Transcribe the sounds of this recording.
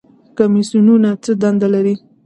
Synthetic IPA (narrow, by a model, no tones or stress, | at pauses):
kamisununat͡səd̪and̪alaɾi